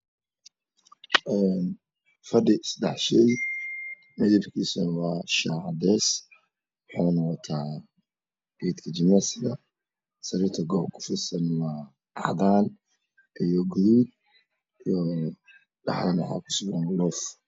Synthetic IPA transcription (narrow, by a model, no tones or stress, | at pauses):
ʔɛːn | fɐɖɪsd̪ɛħʃɛj | mɛðibkʰiːsʊnɐwɑːʃaːʕd̪ɛːs | wʊħɑːnɔqɔt̪ʰaː | biːd̪kʰɐd͡ʒɪnasɪðɐ | sɐɾiɾt̪ʰɐɡɔːbkʰʊ̥fɪsɐnwɑː | ɑ̰d̪aːn | ʔijɔɡɾuːd̪̚ | ijɔ | ɖɑ̰ħdɐnwɑ̰ħɑ̰ːkʰʊ̥sʊɡɐnlɔːf